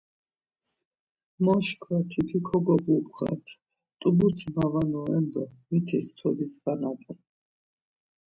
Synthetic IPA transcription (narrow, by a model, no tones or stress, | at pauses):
mɔʃkʰwat̪ʰipʰikʰɔɡɔbupʼχa̰t̪ʰ | t̪ʼubut̪ʰimavanɔɛnd̪ɔmit̪ʰist̪ʰɔd̪isbanat̪ʼɛ